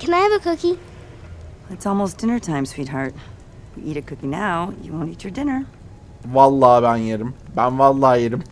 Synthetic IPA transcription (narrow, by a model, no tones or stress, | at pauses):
kʰɛ̃naɪhəvəkʰʊki | ɨtsɔlˠmoʊsd̥ɪ̃nə˞tʰãɪ̃mswid̚ɦɑɹt̚ | jɨ̰ʔiɾɨkʰʊkinaʊjɨ̰wõʊ̃ntit͡ʃə˞dɪ̃nə˞ | vɑlˠːɑːbænjeɾimbænvɑlˠːɑːjeɾim